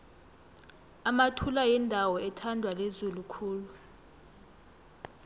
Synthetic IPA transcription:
amatʰulajɛndʱawɔɛtʰandʱwalezulukʰuːlu

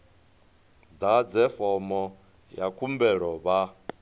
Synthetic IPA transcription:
d̪ad͡zɛfɔmɔ | jakʰumbɛɺɔβa

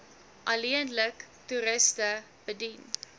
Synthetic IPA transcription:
ʔɐliənlək | tuɾəstə | b̥ədin

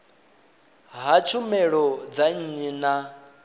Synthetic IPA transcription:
ɦat͡ʃʰumɛɺɔd͡zaɲ̩ɲina

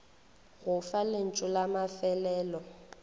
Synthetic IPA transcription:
ɣʊfalɪn̩t͡ʃʼʊlamafɛlɛːlɔ

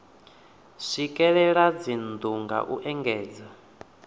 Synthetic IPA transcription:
sʷikʼɛɺɛɺad͡zind̪uŋɡa̰ʔuʔɛŋɡɛːd͡za

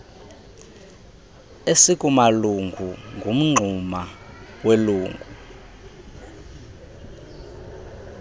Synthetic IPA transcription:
esikʼumaluŋɡʱuŋɡʱum̩ŋ͡ǀʱumaweluːŋɡʱu

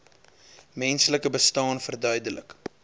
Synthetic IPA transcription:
mɛnsələkəbəstɑːnfərdœɥdələk

